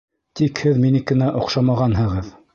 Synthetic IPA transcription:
t̪ikhɘðminɘkɘ̆næʔŏqʃɑmɑʁɑnɦɤ̆ʁɤð

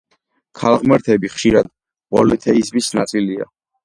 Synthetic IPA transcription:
kʰalˠʁmɛɾt̪ʰɛbiχʃiɾad̪ | bɔlɛt̪ʰɛizmisnat̪sʼilia̰

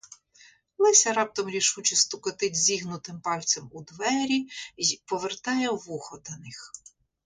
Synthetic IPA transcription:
lˠɪsʲɐɾɑp̚t̪ɔmɾʲiʃut͡ʃɪst̪ʊkɔt̪ɪdʲzʲiɦnʊt̪ɪmpɑlʲsʲɛmud̪ʋɛɾʲipɔʋert̪ɑjɛʋuxɔd̪ɐnɪx

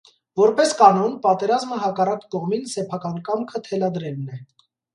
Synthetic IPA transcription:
vɔɾpɛskɑnɔnpɑt̪ɛɾɑzməɦɑkɑrɑkkɔʁminsɛpʰɑkɑnkɑmkʰət̪ʰɛlɑd̪ɾɛlnɛ

